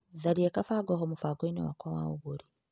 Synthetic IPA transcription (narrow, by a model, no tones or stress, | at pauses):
zaɾiekafaːɡoɦomufaɡoino̰wakwawa̰uβuɾi